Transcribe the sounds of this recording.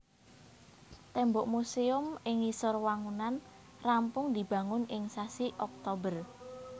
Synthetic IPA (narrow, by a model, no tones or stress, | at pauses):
t̪ɛmbɔʔmuseʊmɪŋisʊrwaŋunan | rampʊŋd̪i̤b̥ä̤ŋʊnɪŋsasiʔɔk̚t̪obər